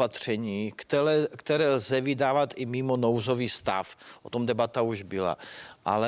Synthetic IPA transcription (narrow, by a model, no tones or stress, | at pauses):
at̪r̝̥ɛɲiː | kt̪ɛɾɛːlzɛvɪdaːvat̪ɪmiːmonowzoviːst̪a̰fʔot̪omdɛbat̪auʒbɪla̰ʔa̰lɛ